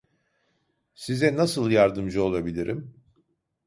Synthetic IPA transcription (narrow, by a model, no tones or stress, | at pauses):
sizɛnasɯlˠjaɾd̪ɯmd͡ʒɯo̞lˠabilʲiɾʔim